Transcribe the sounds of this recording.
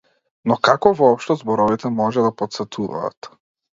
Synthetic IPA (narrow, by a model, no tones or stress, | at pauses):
nɔkakɔvɔɔpʃt̪ɔzbɔɾɔvit̪ɛmɔʒɛd̪apɔt̪sɛt̪ʰuva̰ːt̪